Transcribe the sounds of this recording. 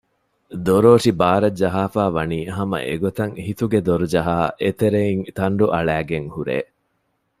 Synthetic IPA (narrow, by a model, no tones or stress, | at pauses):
d̪oɾoːʂibaːɾɐd͡ʒɐɦaːfaːʋɐniːɦɐmɐ̰ʔḛɡot̪ɐŋhit̪uɡed̪oɾud͡ʒɐɦaːʔet̪eɾeiŋt̪ɐɳɖuʔɐɭæːɡeŋhuɾḛː